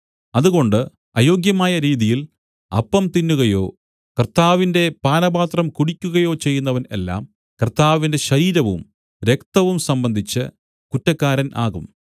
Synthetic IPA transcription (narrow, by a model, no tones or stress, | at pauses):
ɐðuɣo̞ɳɖɨ | ɐjo̞ːɡjɐmaːjɐɾiːðijil | ɐ̰pːɐmt̪inːuɣɐjo̞ː | kɐrt̪aːʋinde̞paːnɐbaːt̪rɐmkuɽikʲːuɣɐjo̞ːt͡ɕe̞jːunːɐʋɐne̞̰lːa̰ːm | kɐrt̪aːʋinde̞ɕɐɾiːɾɐʋṵm | ɾe̞kt̪ɐʋumsɐmbɐnd̪ʱit͡ɕːɨ̰ | kutːɐkːaːɾɐnʔa̰ːɣum